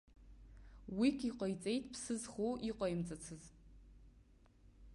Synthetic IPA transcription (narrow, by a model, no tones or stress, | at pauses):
wikʲʰiqʼɐjt͡sʼejtʰʼpʰsɨzχoʔiqʷʼɐjimt͡sʼat͡sʰɨz